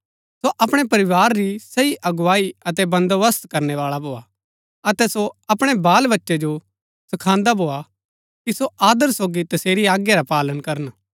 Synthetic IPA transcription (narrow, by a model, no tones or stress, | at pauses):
soʔɐpɽ̃ɛpɐɾɪʋaːɾːisɐiʔɐɡʊʋaːiɐt̪ɛbɐ̃nd̪ʋəst̪kɐɾnɛʋaːɭabʱoːa | ɐt̪ɛsoɐpɽ̃ebaːlʋɐtːʃed͡ʒo | sɐkʰãːnd̪abʱoːa | kisoʔaːd̪əɾsoːɡit̪ɐseːɾiaːɡjaɾapaːlənkɐɾən